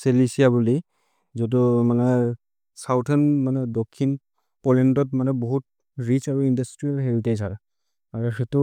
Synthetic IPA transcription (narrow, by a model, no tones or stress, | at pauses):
selisijabuli | zɔdumanɛ | sawtʰɛnmanɛdɔkʰːin | pɔlɛntɔtmanɛbɔɦut̚ | ɹit͡ʃaɹuindastɹialɦeɹitezaɹ | aɹuxetu